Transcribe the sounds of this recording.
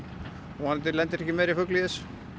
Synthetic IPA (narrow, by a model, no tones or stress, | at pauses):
ɔɣhant̪ɪlɛnt̪ɪɾɛhcɪmɛːɾifʏkliðɪs